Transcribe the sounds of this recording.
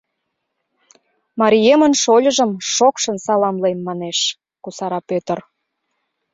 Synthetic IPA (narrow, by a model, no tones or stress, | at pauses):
mɑɾʲijemənʃolʲə̆ʒə̆mʃokʃə̆nsɑlɑmlemːɑneʃ | kusɑɾɑpøt̪ə̆r